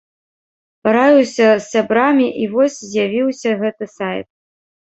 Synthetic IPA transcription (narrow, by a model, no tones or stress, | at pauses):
paɾajuwsʲɐsːʲabɾamʲiʔivɔsʲzʲjavʲiwsʲɐɣɛt̪ɨsajt̪̚